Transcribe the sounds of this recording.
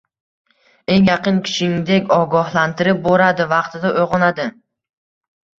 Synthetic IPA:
e̞ŋjɑqʰɨnkʲʰɪ̥ʃɪŋd̪e̞kʲɒɡɒhlant̪ʰɪɾɪp̚boɾad̪ɪvɑqt̪ʰɪd̪aʔojʁɒnad̪ɪ

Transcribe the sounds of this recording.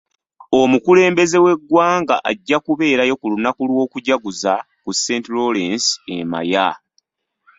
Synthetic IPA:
o̞mukule̞ːmbe̞ze̞we̞ɡːwaːŋɡaʔaɟːakuβe̞ːɾajo̞kulunakulwo̞ːkuɟaɡuza | kusːe̞ːntilo̞lensḛma̰ja

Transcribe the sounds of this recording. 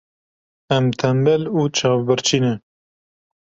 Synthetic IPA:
ɛmt̪ʰɛmbɛluːt͡ʃʰɑːvbɨɾt͡ʃʰiːnɛ

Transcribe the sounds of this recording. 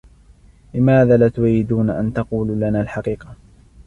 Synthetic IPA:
lɪmaːðaːlat̪ʊwɾiːd̪uːnaʔa̰nt̪ɑquːlːlanaːlħɑqiːqɑ

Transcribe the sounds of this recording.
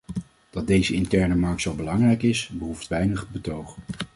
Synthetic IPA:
d̥ɑt̚dejzəɪntɛɹnəmɑɹk̚tsowˠbəlɑŋrɛjkɪsbəɦuftʋɛjnəχbətowχ

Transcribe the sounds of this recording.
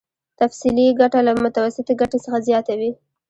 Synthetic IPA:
t̪afsiliɡaʈalamʊt̪awasɪt̪aɡaʈesəxazjɑt̪awi

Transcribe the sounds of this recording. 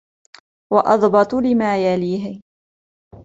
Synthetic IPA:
wɑʔɑ̰ðˤbɑt̪ˤlɪmaːjaliːɦɪ

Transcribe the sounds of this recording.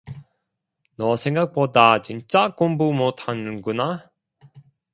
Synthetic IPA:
nʌsʰeŋɡak̚p͈odat͡ɕint͡ɕ͈akombumotʰanɯnɡuna

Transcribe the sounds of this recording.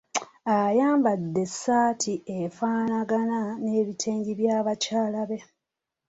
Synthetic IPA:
ajaːmbadːe̞sːaːtʰiefaːnaɡanane̞ːβitʰe̞ːɲɟiβjaːβacaːlaβe̞

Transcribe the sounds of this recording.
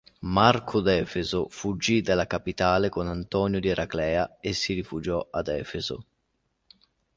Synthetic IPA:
markʰʊd̪ɛːfezʊfud͡ʒːid̪alːakapit̪aːlekonant̪ɔːnjod̪ieɾʔaklɛːaesirifud͡ʒɔad̪ɛːfezo̰

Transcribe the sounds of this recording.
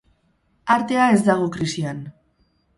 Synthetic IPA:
aɾt̪e̞ae̞zd̪aɣ̞okɾisian

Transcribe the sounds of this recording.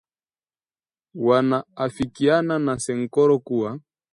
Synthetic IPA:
wanaːfikiananasɛŋ̩kɔɾɔkuwa

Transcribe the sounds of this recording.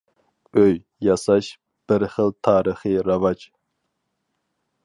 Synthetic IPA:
øj | jɑsɑʃ | b̥ɪɾχəlˠt̪ʰɑːɾəχɨɾɑvɑd͡ʒ

